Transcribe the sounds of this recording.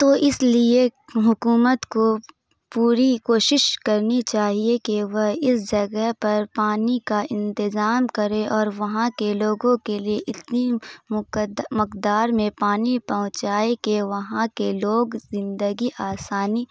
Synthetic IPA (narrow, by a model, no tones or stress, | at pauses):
t̪oʔɪslieɦʊkuːmət̪ko | puːɾikoːʃɪʃkɐɾnit͡ʃaːɦiekeʋəɦɪsd͡ʒɐɡəɦpɐɾpaːnikaɪ̃nt̪ɪzaːmkɐɾẽʔɔːɾʋɐɦãkeloːɡõkelieʔɪt̪ni | mʊkd̪aːɾmẽpaːnipɐɦʊ̃t͡ʃaːekeʋɐɦãkeloːɡzɪ̃nd̪əɡiʔaːsaːniː